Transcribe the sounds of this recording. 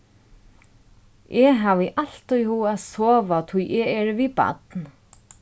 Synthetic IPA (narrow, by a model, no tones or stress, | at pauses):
ʔɛɦaːvɪʔal̥t̪ujhuːaðsɔːvat̪ʰujʔɛɛɹvipa̰t̪n